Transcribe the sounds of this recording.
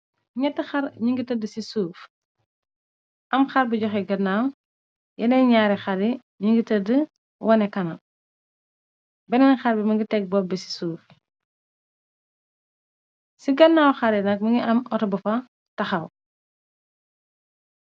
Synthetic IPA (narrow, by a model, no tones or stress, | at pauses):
ɲɛtːəxɐɾɲiŋɡitɐdəsisuːf | ʔɐmxɐɾbiɟɔxɛɡɐnːaːw | jɐnɛɲaɾixɐɾi | ɲiŋɡitɐdə | wʔɐnɛkɐnɐ | bɛnɐŋxɐɾbimɐŋɡitɛɡ̚bɔbɛsi̥suːf | siɡɐnːaːwxɐɾɛnɐk̚mɐŋɡiʔɐmɔtɔbɐfɐ | tɐxɐw